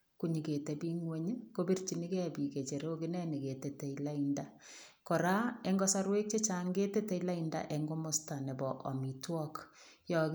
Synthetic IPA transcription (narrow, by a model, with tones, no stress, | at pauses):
kuɲi˨ke˨te˨bi˦ŋwe˦ɲ˦ko˦bi˦rt͡ʃi˨ni˦kɛ˦bi˨ke˨t͡ʃe˨ɾo˦ki˦nɛ˦ni˨ke˨te˨te˨ila˦inda | kɔ˨ɾa˦e˦ŋɡɔ˦sa˦ɾwe˦k̚t͡ʃe˦t͡ʃa˦ŋɡe˦te˦te˦ila˦inda̰˦ʔe˨ŋɡo˦mo˦sta˨nɛ˨bɔ˨ʔɔ̰˨mi˨twɔ˦k | jɔ˨k